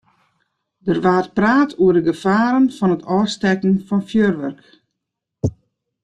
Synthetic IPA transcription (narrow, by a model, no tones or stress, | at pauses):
dərʋaːrt̚praːtʰuərdəɡəfaːɾənfɔnətʰɔːstɛkn̩fɔnfjøːrʋœrk